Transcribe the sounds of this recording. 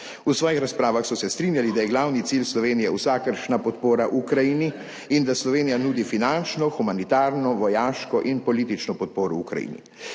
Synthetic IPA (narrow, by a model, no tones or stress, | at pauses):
usʋɔːjixɾaspɾaːʋaxsɔsɛst̪ɾiːnjalid̪ajɛɡlawnit̪siːlslɔʋeːnijɛwsaːkəɾʃnapɔt̪poːɾaʔukɾajiːni | ind̪aslɔʋeːnijanuːd̪ifinant͡ʃnɔxumanit̪aːɾnɔʋɔjaːʃkɔʔinpɔliːt̪it͡ʃnɔpɔt̪̚poːɾɔukɾa̰jḭːnḭ